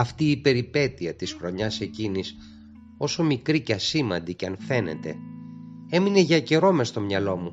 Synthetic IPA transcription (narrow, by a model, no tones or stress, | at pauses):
ɐft̪iːpe̞ɾipe̞t̪iɐt̪isxɾo̞ɲɐse̞cinis | o̞so̞mikɾiceɐsimɐ̰nd̪iceɐnfe̞ne̞̰t̪e̞̰ | e̞mine̞ʝɐce̞ɾo̞mest̪o̞mɲɐlo̞mu